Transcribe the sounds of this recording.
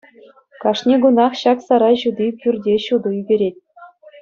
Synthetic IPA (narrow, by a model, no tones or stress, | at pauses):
kɑʂnʲeɡunɑχɕɑksɑɾɑjʑud̪ʲipʲyrʲdʲeɕud̪ɤ̆yɡʲeɾʲet̚ʲ